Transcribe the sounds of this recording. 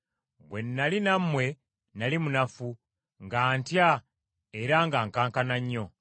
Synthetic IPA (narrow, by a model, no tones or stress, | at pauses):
βwe̞nːalinamːwe̞ | nalimunafu | ŋɡaːntja | eɾaŋɡaːŋkaːŋkanaɲːo̞